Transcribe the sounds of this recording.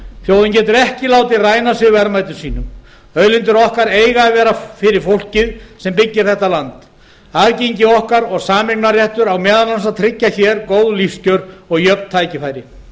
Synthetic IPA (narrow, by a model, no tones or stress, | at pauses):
θjoːwðɪncɛːt̪ʏɾɛhcɪlaːwt̪ɪraːjnasɪɣvɛɾmajt̪ʏ̥siːnʏm | œðlɪnt̪ʏɾɔhkaɾeːjɣavɛːɾafɪɾɪɾ̥fowl̥cɪðsɛmpɪcːɪɾ̥θɛht̪alant̪ | aðceɲcɪɔhkaɾɔɣsaːmɪknarjɛht̪ʏɾawmɛːðalans̬at̪ʰɾɪcːaçɛːɾkoːwðlifscœɾɔɣjœpn̥t̪ʰaːjcɪfajɾɪ